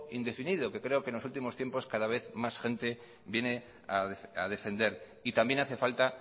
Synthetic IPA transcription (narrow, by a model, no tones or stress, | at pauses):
ind̪e̞finiðoke̞kɾe̞okenlosult̪imo̞st̪jempo̞skaðaβ̞e̞θmasxẽ̞nt̪e̞ | βje̞ne̞ | aað̞e̞fe̞nd̪e̞ɾ | it̪ambje̞naθe̞falt̪a